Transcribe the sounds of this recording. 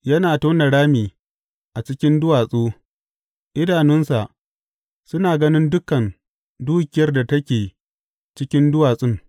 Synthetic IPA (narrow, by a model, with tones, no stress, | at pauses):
jɐ˦naː˨toː˦na˨ɽaː˦miː˨ | ʔa˨t͡ʃɪ˦kʲɪ˦ndʊ˦waː˨sʼoː˦ | ʔɪ˦daː˨nɪ˦nsa˨ʔ | sʊ˦naː˨ɡɐ˦nɪ˦ndʊ˦kɐ˨n | duː˦kʲɪ˨jɐ˦rda˨tɐ˦kʲeː˨ | t͡ʃɪ˦kʲɪ˦ndʊ˦waː˨sʼɪ˦ŋ